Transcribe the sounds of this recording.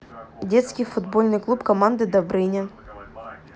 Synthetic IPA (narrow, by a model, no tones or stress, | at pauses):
dʲet̪skʲɪjfʊd̪bolʲnɨjklˠupkɐmand̪ɨd̪ɐbɾɪnʲɐ